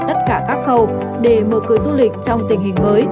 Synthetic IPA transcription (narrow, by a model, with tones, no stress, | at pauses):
t̪ə˦˥t̚kaː˧˩kaː˦˥k̚xə˧˩w | ɗe˧˩məː˧˨˩kɨ˨˦əzu˧lï˨˩k̟̚t͡ɕɔ˧wŋ͡mt̪ï˧˩ŋɦï˨˩ŋ̟məː˨˦j